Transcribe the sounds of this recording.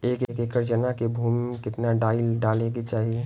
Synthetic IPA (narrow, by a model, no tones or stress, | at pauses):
eːkekekəɾd͡ʒənakebʱuːmkɪt̪naɖaːɪlɖaːlẽɡet͡ʃaːɦie